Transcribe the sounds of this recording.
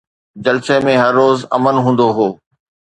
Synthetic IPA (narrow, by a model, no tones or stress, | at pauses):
d͡ʑɐlsemẽɦɐɾːoːzɐ̰mənɦũːnd̪oɦoː